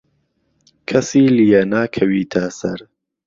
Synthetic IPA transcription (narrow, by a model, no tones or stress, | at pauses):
kʰɐsiːlijɐnaːkʰɐwiːt̪ʰɐsɐɾ